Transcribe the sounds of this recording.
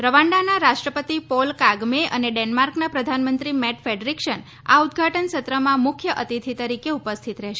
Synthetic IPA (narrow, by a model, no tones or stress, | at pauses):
ɾəʋãɳɖanaɾaʃʈɾəpət̪ipolkaɡmeʔə̰neɖenmaɾknapɾəd̪ʱanmənt̪ɾimɛʈfeɖɾikʃən | a̰ud̪̚ɡʱaʈənsət̪ɾəmãmʊkʰjəʔət̪it̪ʰit̪əɾikeupəst̪ʰit̪ɾɛɦʃe